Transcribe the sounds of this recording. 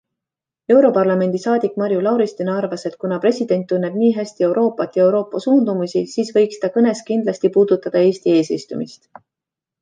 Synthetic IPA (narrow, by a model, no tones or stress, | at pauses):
e̞wɾo̞pɑrlɑme̞nd̪̥isɑːd̪̥ikːˑmɑɾjulɑwɾist̪inɑrvɑse̞t̪̚kunɑpɾe̞sʲid̪̥e̞nt̪ːˑunːe̞b̥niːɦæsʲt̪ie̞wɾo̞ːpːˑɑt̪ːˑjɑe̞wɾo̞ːpːˑɑsuːnd̪̥umusisiːsvɤjkst̪ɑkɤne̞skind̪̥lɑsʲt̪ipuːd̪̥ut̪ːɑd̪̥ɑeːsʲt̪ie̞ːsist̪umist̪